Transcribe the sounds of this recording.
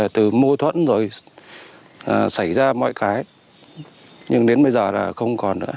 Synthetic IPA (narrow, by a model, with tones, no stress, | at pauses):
t̪ɨ˨˩mo˧t̪ʰwə̰˧˨nzo˨˩j | ʔəː˨˩sa˧˩jzaː˧mɔ̰˧˨jkaː˨˦j | ɲɨ˧ŋɗe˨˦nɓə˧jzəː˨˩laː˨˩xə˧wŋ͡mkɔ˨˩nnɨ̰˧˥ə